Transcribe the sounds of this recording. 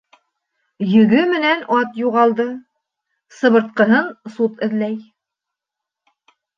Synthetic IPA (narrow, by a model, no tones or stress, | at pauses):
jɵ̆ɡɵmɘ̆nænʔɑt̪juʁɑlˠd̪ɤ | sɤ̆βɤ̆ɾt̪̚qɤ̆ɦɤnsut̪ɘ̆ðlæj